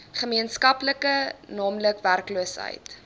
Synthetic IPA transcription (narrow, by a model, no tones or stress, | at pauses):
χəmiənskɐpləkənɑːmləkværkluəsɦə̰jt